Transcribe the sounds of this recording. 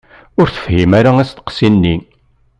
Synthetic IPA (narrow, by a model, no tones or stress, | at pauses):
ʊɾθə̥fhimaɾaæst̪ə̥qsinːi